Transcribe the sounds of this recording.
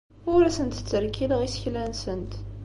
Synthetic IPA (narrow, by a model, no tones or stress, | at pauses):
ʊɾæsənt̪t͡sːəɾkiləʁisə̥çlænsənt̪